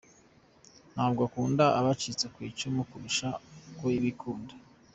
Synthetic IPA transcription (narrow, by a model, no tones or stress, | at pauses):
n̥haːbɡakuːndaʔaβat͡ʃit͡sekwiːt͡ʃumukuβiʃakwoiβikʰuːndḁ